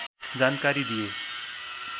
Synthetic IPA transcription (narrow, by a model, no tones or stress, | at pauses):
d͡zankaɾid̪ije